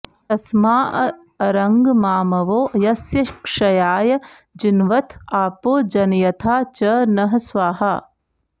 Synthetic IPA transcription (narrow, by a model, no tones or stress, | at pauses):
t̪ɐsmaːʔɐ | ɐɾɐŋɡmaːmɐʋoːjɐsjɐkʂɐjaːjɐ | d͡ʒinʋɐt̪ʰaːpoːd͡ʒɐnjɐt̪ʰaːt͡ʃɐnɐɦɐsʋaːɦɐː